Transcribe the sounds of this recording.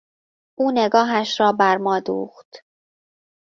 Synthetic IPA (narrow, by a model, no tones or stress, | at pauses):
ʔuːne̞ɡɒːɦæʃɾɒːbæɾmɒːd̪ṵːxt̪